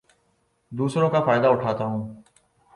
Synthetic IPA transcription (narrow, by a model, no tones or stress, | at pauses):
d̪uːsɾõːkaːfaːjɪd̪aːʊʈʰaːt̪aːɦũː